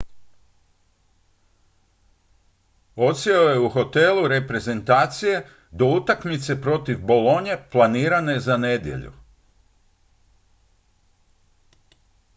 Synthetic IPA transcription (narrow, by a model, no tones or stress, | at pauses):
o̞t̪sjeojeuxo̞t̪e̞luɾe̞pɾe̞ze̞nt̪aːt̪sije̞ | d̪o̞ut̪akmit̪se̞pɾo̞t̪ivbo̞lo̞ɲe̞plˠaniːɾane̞zane̞d̪je̞̰ʎṵ